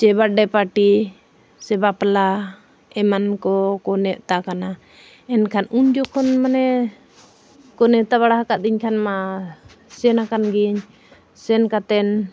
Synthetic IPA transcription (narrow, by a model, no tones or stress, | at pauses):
t͡ʃɛbaɖɛpaʈi | sɛbapla | ɛmankɔkɔnɛʔt̪akana | ɛnkʰanuɲd͡ʒɔkʰɔnmanɛ | kɔnɛʔt̪aβaɽaɦakaʔ̪̚d̪iɲkʰanma | sɛnakanɡiɲ | sɛnkat̪ɛn